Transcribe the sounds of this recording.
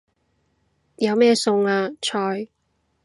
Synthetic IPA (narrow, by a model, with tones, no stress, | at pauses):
jɐ˨˧wmɛː˥˧sʊ˧ŋaː˧t͡ʃʰɔː˧j